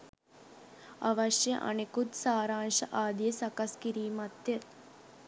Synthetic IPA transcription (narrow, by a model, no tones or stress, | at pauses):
aʋaʃjəʔa̰nekut̪saːɾaːnʃəʔaːd̪ijəsakaskiɾiːmat̪jə